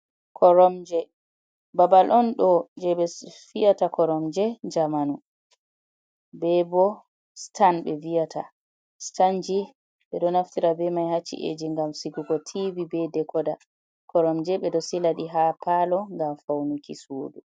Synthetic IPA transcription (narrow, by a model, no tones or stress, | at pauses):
kʰɔɾɔmd͡ʒɛ | babalʔɔnɗɔd͡ʒɛɓɛfijatakʰɔɾɔmd͡ʒɛd͡ʒamanu | bɛbɔ | stanɓɛviatʰa̰ | stand͡ʒi | ɓɛɗɔnaftiɾabɛmajhat͡ʃːḭʔḛd͡ʒiŋɡamsiɡuɡɔtʰivibɛdɛkɔda | kʰɔɾɔmd͡ʒɛɓɛɗɔsilaɗiɦapalɔŋɡamfawnukisodu